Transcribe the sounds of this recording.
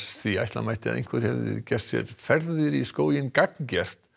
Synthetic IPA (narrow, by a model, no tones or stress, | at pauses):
θvia̰jht̪la̰majht̪ɪa̰ðḛjŋ̥kʰvɛɾ̥hɛvðɪ̰cɛr̥t̪sjɛ̰ɾfɛɾðɪɾiskoːwjɪnkakncɛr̥t̪